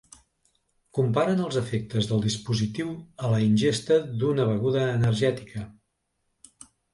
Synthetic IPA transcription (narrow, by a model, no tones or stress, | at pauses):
kumpaɾənəlˠzəfek̚t̪əzðəlˠd̪ispuzit̪iwələinʲʒest̪əðunəβ̞əɣuðəːnəɾʒɛt̪i̥kə